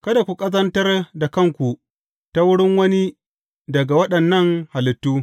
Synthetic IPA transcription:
kɐ˦da˨kʷu˨kʼɐ˦zɐ˦ntɐ˦rda˨kɐ˦˨ŋkʷu˨ | ta˦wʊ˦ɽɪ˦ŋwɐ˦ni˦ | dɐ˨ɡa˨wɐ˦ɗɐ˨nːɐ˦˨ŋha˨lɪ˨tːuː˦

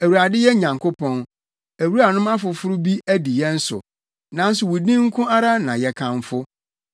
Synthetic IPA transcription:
æ˨wu˨ɾa˨dɪ˦jɛ˦ɲã˨ŋkʰʊ˦pʰɔ̃˦n | æ˨wu˦ɾa˨nʊ̃˦ma˦fʊ˨fʊ˦ɾʊ˦bi˦æ˦di˨jɛ˦n̩˦sʊ̰˨ | nã˦n˦sʊ˨wu˨dĩ˦ŋ̩˦kʰʊ̃˦a˦ɾa˦nã˨jɛ˨kʰã˨ɱ˦fʊ˦

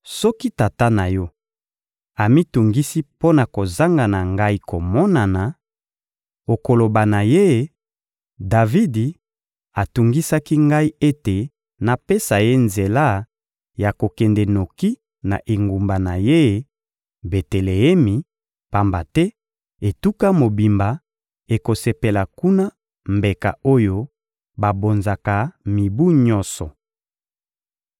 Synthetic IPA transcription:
sɔ˦ki˦ta˨ta˦na˨jɔ˦ | a˨mi˦tu˨ŋɡi˦si˦po˦na˨ko˨za˦ŋɡa˨na˨ŋɡa˦i˦ko˨mɔ˦na˨na˨ | o˨ko˨lo˨ba˨na˨je˦˨ | da˨vi˦di˨ | a˨tu˨ŋɡi˦sa˦ki˦ŋɡa˦i˦e˦te˨ | na˨pe˦sa˨je˦nze˨la˦ | ja˨ko˨kɛ˨ndɛ˨no˨ki˦ | na̰˨ʔe˨ŋɡu˨mba˨na˨je˦ | be˨te˨le˨ɛ˦mi˨ | pa˦˨mba˨tɛ˦ | e˨tu˦ka˦mo˨bi˨mba˨ | e˨ko˨se˨pe˨la˨ku˦na˦ | mbe˨ka̰˨o˦jo˦ | ba˨bo˨nza˨ka˨mi˨bu˦ɲɔ˦nsɔ˨

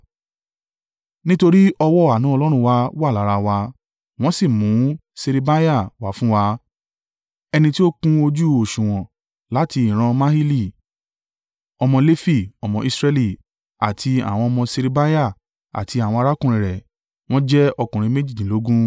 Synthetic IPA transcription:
nĩ˦to˧ɾi˦ɔ˧wɔ˦a˨nũ˨˦ɔ˧lɔ˦ɾ̃ũ˧wa˧wa˦˨la˨˦ɾa˧wa˧ | w̃ɔ̃˦si˦˨mũ˨˦se˧ɾe˧ba˦ja˦˨wa˨˦fũ˦wa˧ | ɛ˧nĩ˧ti˦o˦kũ˦o˧d͡ʒu˦o˨ʃũ˨w̃ɔ̃˨ | la˨˦ti˧ĩ˨ɾ̃ã˧mã˦hi˦li˦˨ | ɔ˧mɔ̃˧le˦fi˦˨ɔ˨mɔ̃˧i˧sɾɛ˧li˦˨ | a̰˨tʰi˧a̰˨w̃ɔ̃˧ɔ˧mɔ̃˧se˧ɾe˧ba˦ja˦˨ | a̰˨tʰi˧a˨w̃ɔ̃˧a˧ɾa˦kũ˦˨ɾ̃ĩ˨ɾɛ˨ | w̃ɔ̃˦d͡ʒɛ˦ɔ˧kũ˨ɾ̃ĩ˧me˦d͡ʒi˦˨dĩ˨lo˨˦ɡũ˦

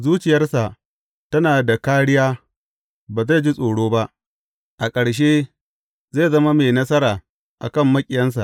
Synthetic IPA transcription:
zuː˦t͡ʃɪ˨jɐ˦rsa˨ʔ | tɐ˦naː˨da˨kaː˦ɽɪ˦jaː˦ | baː˨za˦˨d͡ʒi˦sʼoː˨ɽoː˦ba˦ʔ | ʔa˨kʼɐ˨ɽʃ̬e˦ | zeː˦˨zɐ˦ma˦meː˨nɐ˦s̬ɐ˦ɾaː˨ | ʔa̰˨kɐ˦˨mːɐ˦kʲʼɪ˨jɐ˦ns̬a̰˨ʔ

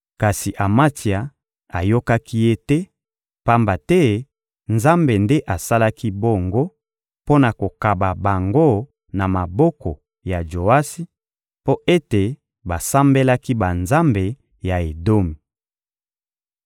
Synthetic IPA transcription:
ka˨si˨ʔa˨ma˦ti˨a˨ | a˨jo˦ka˦ki˦je˦tɛ˦ | pa˦mba˨tɛ˦ | nza˦mbe˨nde˦ʔa˨sa˦la˦ki˦bo˦ŋɡo˦ | po˦na˨ko˨ka˨ba˨ba˨ŋɡo˦ | na˨ma˨bɔ˦kɔ˨ | ja˨d͡ʒo˨a˦si˦ | po˦ʔe˦te˨ | ba˨sa˦mbe˦la˦ki˦ba˨nza˦mbe˨ | ja˨e˨do˦mi˨

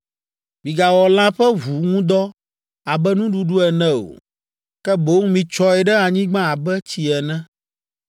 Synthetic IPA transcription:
mĩ˨ɡa˨wɔ˨lã˦ɸɛ˦vu˨ŋũ˦d̪ɔ˦ | a˨bɛ˦nũ˦ɖu˨ɖu˦ɛ˨nɛ̃˦o̰˨ | kɛ˦bo˦ŋ˦mĩ˨t͡ʃɔ˦ɛ˨ɖɛ˦a˨ɲĩ˦ɡ͡bã˦a˨bɛ˦t͡ɕi˨ɛ˨nɛ̃˦

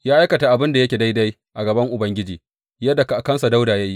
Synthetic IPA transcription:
jaː˦ʔa˦kɐ˨ta˨ʔa˨bɪ˦nda˨jɐ˦kʲeː˨da˦jda˦j | ʔa˨ɡɐ˨bɐ˦ŋʔʊ˨bɐ˦ŋɡʲɪ˦d͡ʒiː˨ | jɐ˦dːa˨ka˨ʔa˨kɐ˦nsa˨da˦wdaː˨jaː˦ji˦

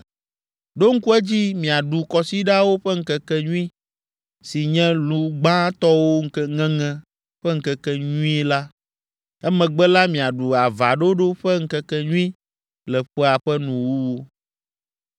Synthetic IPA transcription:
ɖo˦ŋ̩˦ku˦ɛ˦d͡ʑi˦mĩ˨a˨ɖu˨kɔ˨si˦ɖa˦wo˦ɸɛ˦ŋ̩˦kɛ˨kɛ˦ɲũ˦ĩ˦ | si˨ɲɛ̃˦lũ˨ɡ͡bã˦t̪ɔ˦wo˦ŋ̩˦kɛ˦ŋɛ̃˦ŋɛ̃˦ | ɸɛ˦ŋ̩˦kɛ˨kɛ˦ɲũ˦ĩ˦la˦ | ɛ˦mɛ̃˨ɡ͡bɛ˦la˦mĩ˨a˨ɖu˨a˨va˨ɖo˦ɖo˦ɸɛ˦ŋ̩˦kɛ˦kɛ˦ɲũ˦ĩ˦ | lɛ˨ɸɛ˦a˨ɸɛ˦nũ˨wu˦wo˦

